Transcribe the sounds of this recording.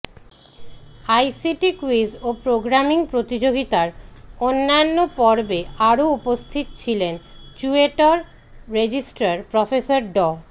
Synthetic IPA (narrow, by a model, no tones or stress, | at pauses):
ajsiʈikwisopɾoɡɾamiŋpɾot̪id͡ʑoɡit̪aɾonːaonːopɔɾbeaɾoupost̪ʰit̪ot͡ɕʰilent͡ɕueʈoɾ | ɾed͡ʑisʈaɾpɾɔfesaɾɖɔ